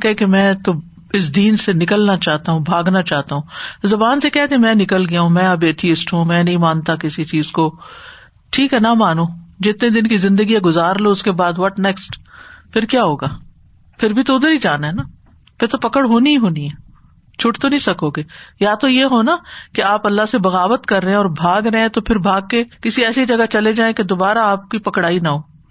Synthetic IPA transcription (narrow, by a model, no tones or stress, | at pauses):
kɛɛkemɛ̃ːt̪o | ɪs̬d̪iːnsenɪkəlnat͡ʃaːɦt̪aɦũbʱaːɡnat͡ʃaːɦt̪aɦũːzɐbaːnsekɛɦt̪ẽmɛ̃ːnɪkəlɡɐjaɦũmɛ̃ːɐbeːt̪ʰiɪsʈɦũmɛ̃ːnɐɦĩmãːnt̪akɪsit͡ʃiːzko | ʈʰiːkɦɛnamaːnud͡ʒɪt̪ned̪ɪnkizɪ̃nd̪əɡieɡʊzaːɾloʊskebaːd̪ʋɔʈnɛksʈpʰɪɾkjaːɦoːɡaː | pʰɪɾbʱit̪oʊd̪əɾid͡ʒaːnaɦɛna | pɪɾt̪opɐkəɽɦoːniiɦoːniɦɛː | t͡ʃʰʊʈt̪onɐ̃ɦĩsɐkoːɡeːjaːt̪ojeɦoːnakeaːpɐlːaɦsebɐɣaːʋət̪kɐɾːəɦẽɔːɾbʱaːɡɾɐɦẽt̪opʰɪɾbʱaːɡ̚kekɪsiɛːsid͡ʒɐɡat͡ʃɐled͡ʒaːẽked̪oːbaːɾaaːp̚kipɐkɽaːinaɦoː